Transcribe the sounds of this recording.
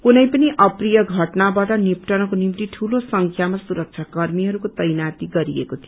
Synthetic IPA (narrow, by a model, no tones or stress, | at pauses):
kunʌjpʌniʔʌprijʌɡʱʌʈnabaʈʌnipʈʌnʌkonimt̪iʈʰulosʌŋkʰjamasuɾʌk̚t͡ʃʰakʌrmiɦʌɾukot̪ʌjnat̪iɡʌɾiekot̪ʰijo